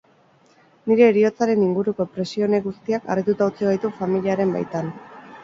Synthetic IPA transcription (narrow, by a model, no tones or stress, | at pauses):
niɾe̞ːɾio̞t͡saɾe̞niŋɡuɾuko̞epɾe̞sio̞neɣust̪iaka̰rit̪ut̪aut͡siɣajt̪ufamiliaɾe̞mba̰jt̪an